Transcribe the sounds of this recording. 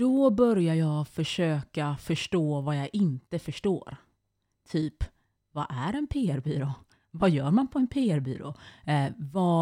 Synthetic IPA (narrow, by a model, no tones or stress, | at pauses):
d̪̥ɔbœɾjajɑɡfœʂøːkafœʂʈoːvajɑʔɪnt̪əfœʂʈo̰ːɾ | t̪ʰyːp | vaʔæɾɛnpʰeːæɾbyːɾoː | vajœːɾmanpʰɔɛnpʰeːæɾby̰ːɾo̰ː | va